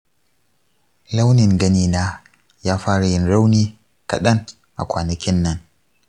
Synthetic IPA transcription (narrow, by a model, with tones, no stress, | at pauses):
la˦wnɪ˨ŋɡɐ˦niː˦naː˦ | jaː˦ɸaː˦ɽa˨jɪ˦nɽa˦wniː˦ | kɐ̰˨ɗɐ˦ŋ | ʔa̰˨kʷaː˨nɐ˨kʲɪ˦nːɐ˦n